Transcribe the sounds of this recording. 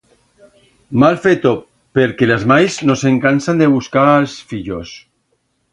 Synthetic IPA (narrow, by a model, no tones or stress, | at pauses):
malfet̪o | peɾkelazmajznoseŋkansand̪eβ̞uskaːlsfiʎos